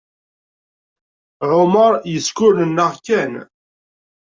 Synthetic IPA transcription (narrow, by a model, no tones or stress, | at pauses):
ʕʊməɾˤjəskʊlənːəʁkæn